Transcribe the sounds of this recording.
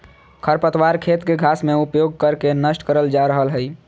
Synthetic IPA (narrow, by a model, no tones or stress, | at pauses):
kʰəɾpət̪waɾkʰet̪keɡʱasmẽupjoɡ̚kəɾkenəsʈkəɾəld͡ʒaɾəɦəlɦəj